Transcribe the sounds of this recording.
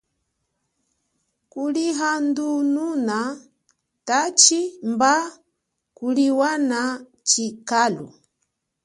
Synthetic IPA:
kuliɦandununa | tat͡ʃimba | kuliwana | t͡ʃikalṵ

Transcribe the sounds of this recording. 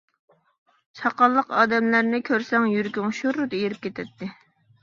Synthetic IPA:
t͡ʃʰɑqɑlˠːəqɑːd̪ɛmlæɾnɪkʲʰøɾsɛŋjyɾɡʲyŋʃuɾːud̪ejiɾɪp̚kʲet̪ʰɛt̪ʰːɪ

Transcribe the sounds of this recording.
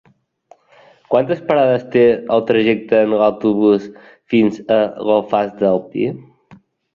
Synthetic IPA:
kwant̪əspəɾaðəst̪eəlˠt̪ɾəʒɛk̚t̪əːnlawt̪uβus | finzəɣolˠfazd̪əlˠpḭ

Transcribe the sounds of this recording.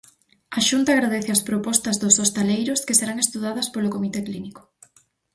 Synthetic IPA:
ɐʃunt̪aːɣɾaðeθɪɐspɾopɔst̪ɐzðʊsost̪alejɾʊskeseɾaŋest̪uð̞að̞ɐspolokomit̪ekliniko̥

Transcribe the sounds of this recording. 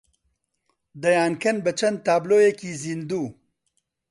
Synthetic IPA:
d̪ɐjaːnkʰɐnbət͡ʃʰɐnd̪̚t̪aːbloːjekizind̪uː

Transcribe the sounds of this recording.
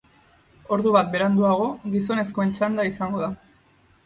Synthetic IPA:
o̞ɾðuβat̪̚be̞ɾand̪uaɣ̞o̞ɣiso̞ne̞sko̞e̞nt͡ʃand̪aisaŋɡo̞ða

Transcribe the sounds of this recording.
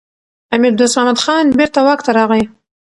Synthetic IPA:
amɪɾd̪osmɑmad̪xɑnbeɾt̪awɑkt̪aɾɑɣaj

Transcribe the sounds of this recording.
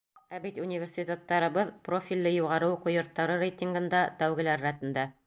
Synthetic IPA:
æbit̪ʲunʲivʲersʲitʲet̪ːɑɾɤ̆βɤðprofʲilʲːɘjuʁɑɾɤwqŏjŏɾt̪ːɑɾɤɾʲejt̪ʲiŋɡɤ̆nd̪ɑt̪æwɡɘ̆læɾːæt̪ɘ̆nd̪æ

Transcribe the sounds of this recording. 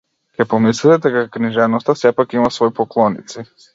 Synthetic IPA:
kʲɛpɔmislit̪ɛd̪ɛkakniʒɛnɔst̪asɛpakimasvɔipɔklˠɔnḭt̪si

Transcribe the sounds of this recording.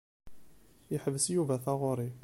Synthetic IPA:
jəħəvəsjuvæθaʁʊɾˤi

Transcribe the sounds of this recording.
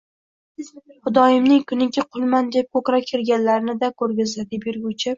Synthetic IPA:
χʊd̪ɒjɪmnɪŋkʰʊnɪkʲʰɪqʰʊlˠmand̪e̞p̚kʰɵkɾakʲʰɪɾɡʲanlaɾɪnɪd̪akʰɵɾɡʲazad̪ɪbɪɾɡʲʊt͡ʃʰɪ

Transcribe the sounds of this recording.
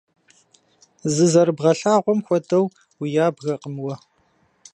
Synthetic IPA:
zɨzɐɾbʁɐɬaːʁʷɔmxʷɔdɐw | wijaːbɣɐqʼəmwɐ

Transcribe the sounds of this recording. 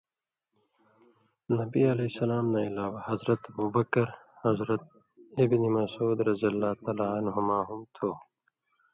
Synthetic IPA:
nɐbiɐlesɐlaːmnailaːwahɐzɾɐt̪ɐbuːbɐkɐɾhɐzɾɐt̪̚ | ibnimɐsuːd̪ɾɐzijɐlːaːt̪aːlaːɐnɦumaːɦumt̪ʰoː

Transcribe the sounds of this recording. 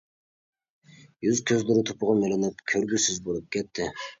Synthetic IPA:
jyzkʲʰøzlyɾyt̪ʰopʊʁɑmelʲenɪp̚kʲʰøɾɡʲysyzbolˠup̚kʲʰet̪ːɪ

